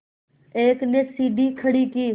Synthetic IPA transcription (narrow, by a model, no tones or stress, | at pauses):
eːknesiːd̪ʱikʰəɽikiː